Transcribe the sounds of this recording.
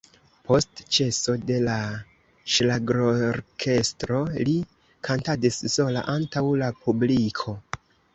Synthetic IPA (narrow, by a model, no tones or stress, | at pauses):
pʰo̞stt͡ʃe̞so̞de̞la | ʃlaɡɾoɾkʰe̞stɾo̞li | kʰantadisso̞la̰ʔantawlapʰublikʰo̞